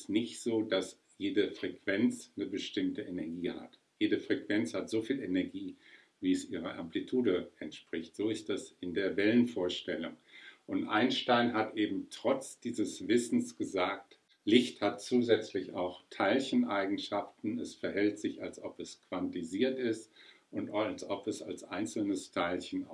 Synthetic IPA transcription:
snɪçtz̥oːdas | jeːdəfʁ̥ɛkv̥ɛnt͡snəbəʃtɪmtəʔenɛɐɡiːha̰t | jeːdəfʁ̥ɛkv̥ɛnt͡shatz̥oːfiːlenɛɐɡiː | viːɛsʔiːʁə̰ʔa̰mplitʰuːdəɛntʃpʁ̥ɪçtz̥oːɪstɛsɪndeːɐvɛlənfoːɐʃtɛlʊŋʔʊntʔa̰ɪnʃtaɪnɦatʔeːbm̩tʁ̥ɔt͡sd̥iːzəsv̥ɪsn̩sɡ̥əzaːk̚t | lɪçthatt͡suːzɛt͡slɪça̰ʊxtʰaɪlçənʔaɪɡŋ̩ʃaftn̩ɛsfɛɐɦɛltz̥ɪçalsʔɔpɛskv̥antiziːɐtɪstʔʊntlsʔɔpɛsa̰lsʔa̰ɪnt͡sl̩nəstʰaɪlçən̩

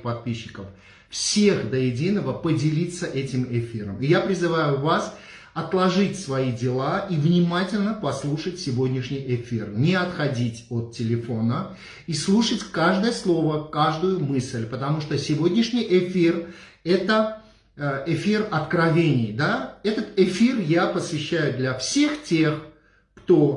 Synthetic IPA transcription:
pɐt̪̚pʲiɕːɪkəf | fsʲe̞xd̪əjɪdʲinəvəpədʲɪlʲit̪səʔɛtʲɪmɪfʲiɾə̰mɪjapɾʲɪzɨvajʊvas | ɐt̪lˠɐʐɨtʲsvɐidʲɪlˠaʔivnʲɪmatʲɪlʲnəpɐslˠuʂətʲsʲɪvo̞dʲnʲɪʂnʲɪjɪfʲirnʲɪɐt̪xɐdʲitʲot̪ːʲɪlʲɪfo̞nə | islˠuʂətʲkaʐd̪əjəslˠo̞vəkaʐd̪ʊjʊmɨsʲlʲpət̪ɐmuʂt̪osʲɪvo̞dʲnʲɪʂnʲɪjʔɪfʲir | ɛt̪ə | ɪfʲirɐt̪kɾɐvʲenʲɪjd̪aɛt̪ət̪ɪfʲirjapəsvʲɪɕːæjʊd̪lʲɐfsʲe̞xtʲe̞x | kt̪o

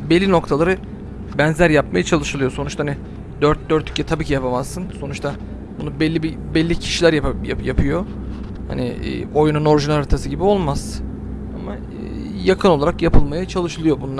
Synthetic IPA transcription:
belʲːino̞kt̪ʰalˠaɾɯ | bɛnzlʲæɾjap̚majat͡ʃʰalˠɯʃɯlˠɯjo̞so̞nut͡ʃt̪aɦanɪ | d̪øɾt̪̚d̪øɾt̪ʰːy̥cʰːɛt̪ʰabiːcʰijapʰamazːɯnso̞nut͡ʃt̪ʰa | bunubɛlʲːibibɛlʲːicʰi̥ʃilʲæɾjja̰japʰɯjo̞ | ha̰nɪ̰ːo̞jununo̞ɾʒunaɾaɾt̪ʰasɯɟibio̞lˠmaz̥ | a̰ma̰ | jakʰɯno̞lˠaɾakjapʰɯlˠmajat͡ʃʰalˠɯʃɯlˠɯjo̞bunˠ

